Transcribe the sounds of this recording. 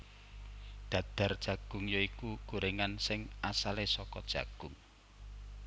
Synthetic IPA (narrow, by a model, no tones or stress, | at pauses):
d̪̥ä̤d̪̥a̤rd̥ʒ̥ä̤ɡ̥ʊ̤ŋjoikuɡ̥uɾeŋansɪŋʔasalesɔkɔd̥ʒ̥a̤̰ɡ̥ʊ̤ŋ